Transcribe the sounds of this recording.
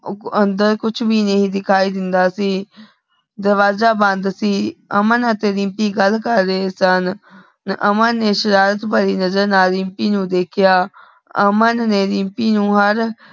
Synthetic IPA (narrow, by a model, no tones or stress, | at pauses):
ənd̪əɾkʊt͡ʃʰbiːnəɦĩːd̪ɪkʰaːiːd̪ɪnd̪aːsiː | d̪əɾʋaːzaːbənd̪siːəmənət̪eːɾimpiːɡəlːkəɾːeeːsən | nə̰mənːeːʃəɾaːɾət̪baːɾiːnəzəɾnaːlɾɪ̃mpiːnũːd̪eːkʰɪjaː | ə̰mənːeːɾɪmpiːnũːɦəɾ